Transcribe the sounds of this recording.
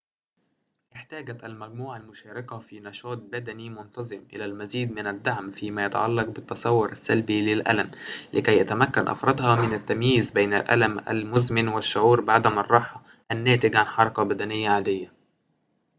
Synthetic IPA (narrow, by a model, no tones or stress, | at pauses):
ʔɪħt̪æːɡæt̪ælmæɡ̚muːʕalmʊʃæːɾɑkæfiːnɑʃɑːt̪̚bæd̪ænimʊnt̪ɑzˤɨmʔɪ̰læːlmæziːd̪̚mɪnæd̪ːaʕmfiːmæːjæt̪ɑ̰ʕɑlːɑq̚bɪt̪ːɑsˤɑwːʊɾʔæsːælbilɪlʔæ̰læmlʔɪkæjːæt̪æmækːænʔɑ̰fɾˤɑd̪hɑmɪnæt̪ːæmjiːzbejnæ̰lʔæ̰læmæ̰lmʊzmɪnwɪʃːʊʕuːɾbɪʕad̪æmɑrˤːɑħɑ | ʔænːæːt̪ɪɡʕanħɑɾˤɑkɑbæd̪ænɪjːaʕaːd̪ɪjːæ